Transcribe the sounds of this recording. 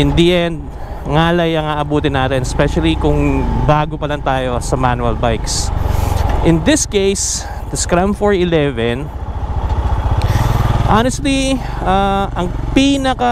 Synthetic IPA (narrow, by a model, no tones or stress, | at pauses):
ɪ̃nd̪iʔɛnd̪̚ | ŋaːlɐjɐŋaːʔɐbuːt̪ɪnaːt̪ɪnɛspɛʃɐlikʊŋbaːɡopɐlɐŋt̪aːjo̞sɐmanuɐlbajks | ʔɪnd̪ɪskejs | d̪ɪskɹamfoɹɪlɛvɛn | ʔanɛst̪liʔaʔɐŋpiːnɐkɐ